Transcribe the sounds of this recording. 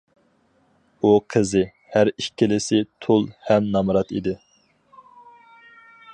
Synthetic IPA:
uqʰəzɪ | hæɾiʃʲkʲʰːɪlɪsɪt̪ʰolˠhɛmnɑmɾɑt̪ḭd̪ɪ

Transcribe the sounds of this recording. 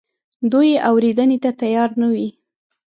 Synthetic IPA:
d̪ujeʔawɾed̪ənet̪at̪ajɑɾnawi

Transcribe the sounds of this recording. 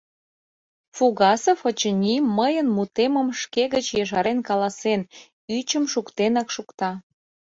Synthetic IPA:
fuɣɑsəfot͡ɕənʲiməjənmut̪eməmʃkeɣət͡ɕjeʃɑɾenkɑlɑsen | yt͡ɕəmʃukt̪enɑkʃukt̪ɑ

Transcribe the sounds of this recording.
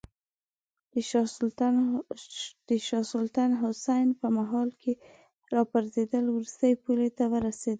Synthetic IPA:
d̪̥əʃɑsʊlt̪anɦʊsajnpəmaɦɑlkʰe | ɾɑpaɾzed̪əlwɾust̪əjepulet̪awəɾased̪ə

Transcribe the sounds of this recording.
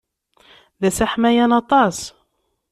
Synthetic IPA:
ðæsaħmæjænɑt̪ˤɑs

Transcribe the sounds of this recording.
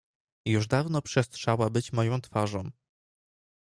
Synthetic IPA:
juʐd̪avnɔpʂɛst̪ʂawabɘt͡ɕmɔjɔ̃w̃t̪faʐɔ̃w̃

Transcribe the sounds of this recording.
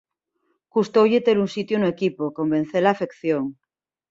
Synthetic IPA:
kust̪owʎet̪elunsit̪jonoekipokomben̟θelaːfe̞kθjoŋ

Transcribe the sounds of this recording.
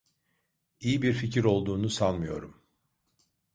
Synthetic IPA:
ijibiɾficʰiɾo̞lˠd̪uːnusanˠmɯjo̞̰ɾum

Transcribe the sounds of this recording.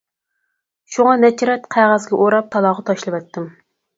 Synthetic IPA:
ʃuŋɑnɛt͡ʃʰɾɛt̪qʰæʁæzɡʲɛʔoɾɑp̚t̪ʰɑlˠɑːʁɑt̪ʰɑʃlˠɨwɛt̪ʰːɪm

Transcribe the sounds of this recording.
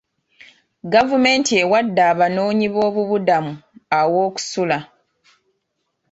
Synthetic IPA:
ɡavume̞ːntie̞wadːaːβano̞ːɲiβo̞ːβuβudamuawo̞ːku̥sula

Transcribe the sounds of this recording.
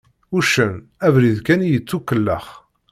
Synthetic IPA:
uʃənævɾiðkænijət͡sːukːəlːə̰χ

